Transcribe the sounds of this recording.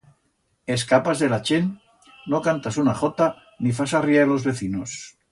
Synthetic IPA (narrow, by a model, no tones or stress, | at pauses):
e̞skapazðe̞lat͡ʃenː | okant̪asunaχo̞t̪a | nifasariaelo̞zβe̞θinos